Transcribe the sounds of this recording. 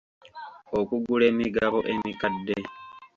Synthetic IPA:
okuɡule̞ːmiɡaβo̞ʔe̞mikadːe

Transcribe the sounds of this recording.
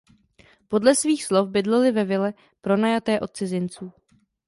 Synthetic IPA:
po̞dlɛsviːxslo̞fbɪdlɛlɪvɛvɪlɛ | pɾo̞najat̪ɛːʔo̞t̪̚t͡sɪzɪnt͡suː

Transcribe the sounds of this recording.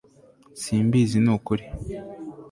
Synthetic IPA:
siːmbizinuːkuɾi

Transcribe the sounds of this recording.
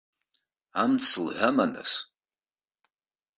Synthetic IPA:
amt͡sʰɨlħʷamana̰s

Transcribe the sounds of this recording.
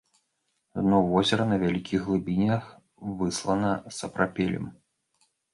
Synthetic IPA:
nɔvɔzʲɛɾɐnɐvʲalʲikʲiɣɣlˠɨbʲinʲɐx | vɨslˠɐnɐsɐpɾapʲɛlʲɛ̰m

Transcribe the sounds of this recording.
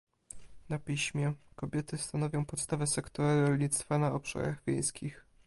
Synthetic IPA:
napʲiɕmʲjɛkɔbʲjɛt̪ɘst̪anɔvʲjɔ̃w̃pɔt̪st̪avɛsɛkt̪ɔɾaɾɔlʲɲit̪st̪fanaɔpʂa̰ɾa̰ɣvʲjḛj̃skʲix

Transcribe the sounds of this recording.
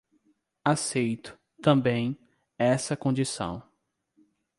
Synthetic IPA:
asejt̪ʊ̥ | t̪ɐ̃mbẽj̃ | ɛsɐkõd͡ʒisɐ̰̃w̃

